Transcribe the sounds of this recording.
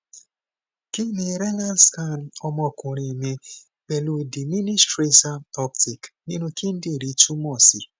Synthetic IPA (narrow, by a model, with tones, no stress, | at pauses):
ki˦ni˨ɾɛ˦la˦nska˦˨n˨ɔ˦mɔ˧˨kʊ̃˨ɾi˨me˧ | k͡pe˨lo˨˦˨di˨mi˦ni˦stɾe˦ta˦ɔ˦p̚tʰi˨kni˦nũ˦kʰi˦n̩˦de˦˨ɾi˨˦tu˦mɔ˦˨si˨